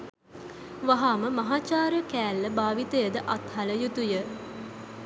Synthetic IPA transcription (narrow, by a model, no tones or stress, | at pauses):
ʋaɦaːməmɐɦaːt͡ʃaːɾəkæːlːəbaːʋit̪əjəd̪əʔat̪haləjut̪ujə